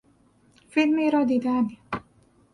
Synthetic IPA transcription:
filmiɾɑd̪id̪aːni

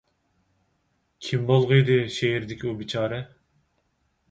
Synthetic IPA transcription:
kʲʰimbolˠʁəjd̪ɨʃeɦiɾd̪ɪkʲʰiubit͡ʃʰɑːɾɨ

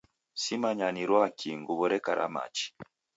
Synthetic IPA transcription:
simaɲaniɾwakʰiŋɡuβɔɾɛkaɾʔa̰ma̰t͡ʃi̥

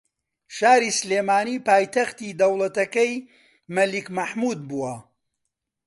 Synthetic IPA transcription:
ʃaːɾiːsleːmaːniːpaːjt̪ɐxt̪iːd̪ɐwlˠɐt̪ɐkɐj | mɐlikmɐħmuːd̪̚buwɐ

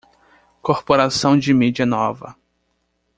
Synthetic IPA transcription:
koɾpoɾasɐ̃w̃d͡ʒɪmid͡ʒiɐnɔvɐ̰

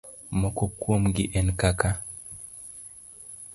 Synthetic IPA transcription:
mokokwomɡiʔɛnkaka

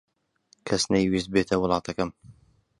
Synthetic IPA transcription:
kʰɐsnɐjwist̪̚beːt̪ʰɐwʊlˠɑːt̪ʰɐkɐm

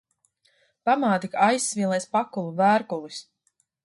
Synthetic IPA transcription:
pamaːt̪ikajsːvʲiːlˠɛjspakulˠuvæːɾkulˠis

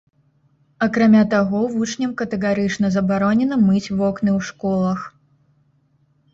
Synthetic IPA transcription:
ɐkɾamʲat̪aɣɔvut͡ʂnʲɐmkɐt̪ɛɣaɾɨt͡ʂnɐzɐbaɾɔnʲɛnɐmɨt͡sʲvɔknɨwʂkɔlˠɐx

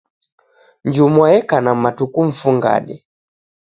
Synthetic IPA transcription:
ɲd͡ʒumwajɛkanamatukuɱ̩fuŋɡa̰ɗɛ

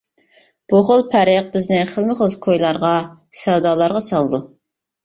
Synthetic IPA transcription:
b̥uχəlˠpʰæɾɪq̚bɪznɪχəlˠmɨχəlˠɨzkʰojlˠɑɾʁɑsɛwd̪ɑːlˠɑɾʁɑsɑlˠɨd̪u

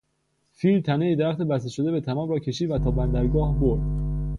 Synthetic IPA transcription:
filt̪ʰænejid̪æɾæxt̪ebæst̪eʃod̪e̞be̞t̪ʰæmɒːmrɒːcʰe̞ʃiːd̪væt̪ʰɒːbænd̪æɾɡɒːhboɾd̪̥

